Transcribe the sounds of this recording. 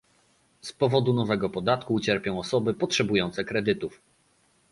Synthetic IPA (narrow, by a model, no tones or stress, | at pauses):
spɔvɔd̪unɔvɛɡɔpɔd̪at̪kuːt͡ɕɛɾpʲjɔ̃w̃ɔsɔbɘpɔtʂɛbujɔnt̪sɛkɾɛd̪ɘt̪uf